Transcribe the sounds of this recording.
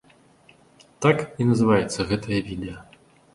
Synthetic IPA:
t̪akinɐzɨvajɛt̪sːɐɣɛt̪ʰɐjɐvʲid̪ɛjɐ

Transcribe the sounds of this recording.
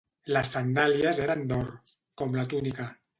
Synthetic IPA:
lasːand̪aljazeɾand̪oɾ | kɔmlat̪unika

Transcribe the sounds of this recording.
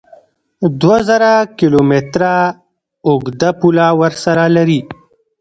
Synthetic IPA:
d̪wazɐɾakilomet̪ɾa | ʊɡd̪apulawəɾsɐɾalɐɾi

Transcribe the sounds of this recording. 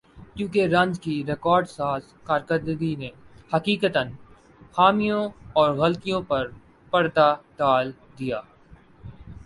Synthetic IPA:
kjũːkeɾɐ̃nd͡ʒkiɾekɔːɾɖsaːz | kaːɾkəɾd̪ɡinehɐkiːkət̪ən | xaːmijõɔːɾɣɐlt̪ijõpɐɾ | pɐɽd̪ad̪aːl | d̪ijaː

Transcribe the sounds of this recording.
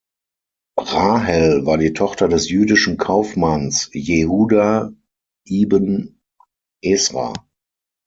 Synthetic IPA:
ʁaːɦɛlvaːɐdiːtʰɔχtɐdɛsjyːdɪʃn̩kʰaʊfmansjehuːda | ʔiːbən | ʔɛsʁa̰ː

